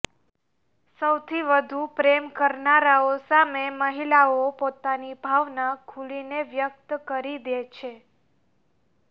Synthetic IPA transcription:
səwt̪ʰiʋəd̪ʱupɾemkəɾnaɾaosameməɦilaopot̪anibʱaʋnakʰulineʋjək̚t̪kəɾid̪et͡ʃʰe

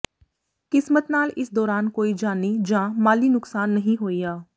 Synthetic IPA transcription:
kɪsmət̪naːlɪsd̪ɔːɾaːnkoːid͡ʒaːniːd͡ʒãːmaːliːnʊksaːnːəɦĩɦoːiːaː

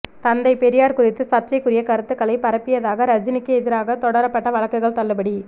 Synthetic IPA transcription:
t̪ɐnd̪ɐɪpɛɾɪjaːɾkʊrɪt̪ːɯsɐt͡ʃɐɪkːɯɾɪjɐkɐɾɯt̪ːɯkːɐɭɐɪpɐɾɐpːɪjɐðaːɣɐɾɐd͡ʒɪnɪkːɯɛðɪɾaːɣɐt̪ɔɽɐɾɐpːɐʈːɐʋɐɭɐkːɐɪɣɐɭt̪ɐɭːɯpɐɽi

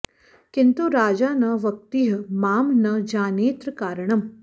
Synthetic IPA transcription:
kɪnt̪uɾaːd͡ʒanɐʋək̚t̪iɦəmaːmnɐd͡ʒaːneːt̪ɾəkaːɾɳ̃əm

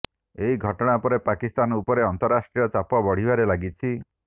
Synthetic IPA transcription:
eɦiɡʱɔʈɔɽ̃apɔɾepakist̪anɔupɔɾeɔnt̪ɔɾasʈɾijɔt͡ʃapɔbɔɽ̤ibaɾelaɡit͡ʃʰi

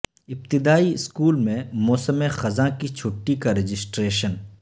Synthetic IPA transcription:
ɪb̚t̪ɪd̪aːiɪskuːlmẽmɔːsəmẽxɐzãkit͡ʃʰʊʈːikaɾɪd͡ʒɪsʈɾeːʃən

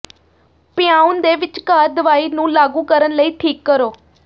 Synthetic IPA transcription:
pjaũnd̪eʋɪt͡ʃkaːɾd̪əʋaːinũːlaːɡũːkəɾənləiːʈʰiːkːəɾoː

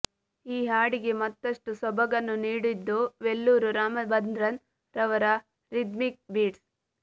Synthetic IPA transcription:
iːɦaːɽiɡe̞mɐt̪ːɐʂʈusɔbɐɡɐnːuniːɽid̪ːuʋelːuːɾuɾaːmɐbɐnd̪ɾɐn | ɾɐʋɐɾɐ | ɾid̪mik̚biːʈs

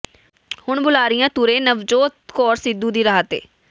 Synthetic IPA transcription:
hʊɳbʊlaːɾɪjãːt̪uɾẽːnəʋd͡ʒoːt̪kɔːɾsɪd̪uːd̪iːɾaːt̪ḛː

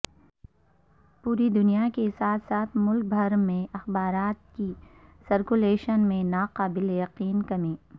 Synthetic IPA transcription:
puːɾid̪ʊnijakesaːt̪ʰsaːt̪ʰmʊlk̚bʱɐɾmẽɐxbaːɾaːt̪̚kisɐɾkuleːʃənmẽnaːqaːbɪlejɐqiːnkɐmẽː

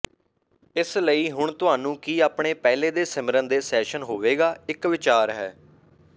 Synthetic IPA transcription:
ɪsləiːɦʊɳ̃t̪ʊɦaːnũːkiːaːpɳeːpɛːleːd̪eːsɪmɾənd̪eːsɛːʃənɦoːʋeːɡaːɪkʋɪt͡ʃaːɾɦɛː

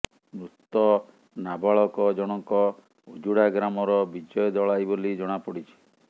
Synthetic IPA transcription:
mɾut̪ɔ | nabaɭɔkɔd͡ʒɔɽ̃ɔŋkɔ | od͡ʒuɽaɡɾamɔɾɔbid͡ʒɔjɔd̪ɔɭajbolid͡ʒɔɽ̃apɔɽit͡ʃʰi̥

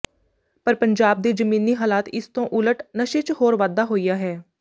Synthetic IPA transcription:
pəɾpəɲd͡ʒaːb̚d̪eːd͡ʒəmĩːniːɦaːlaːt̪ɪst̪õːʔʊləʈnəʃeːt͡ʃhoːɾʋaːd̪aːɦoːiːjaːɦɛː

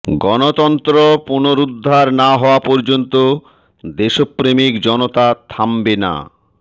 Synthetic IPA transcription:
ɡɔnot̪ɔnt̪ɾopunoɾud̪ʱːaɾnaɦɔoapɔɾd͡ʑont̪o | d̪eʃopːɾemikd͡ʑɔnot̪at̪ʰambena̰

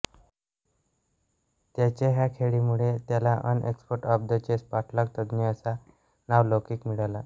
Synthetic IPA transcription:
t̪jat͡ɕeɦjakʰeɭiːmuɭet̪jalaʔə̰nʔḛkspoʈəp̚d̪ət͡ɕespaʈʰlək̚t̪əd̪niəsa | naʋlokiːkmiɭala

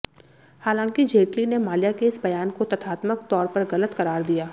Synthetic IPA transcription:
haːlãːŋkid͡ʒeːʈlinemaːlijakeɪsbɐjaːnkot̪ɐt̪ʰaːt̪mək̚t̪ɔːɾpɐɾɣɐlət̪kɐɾaːɾd̪ijaː

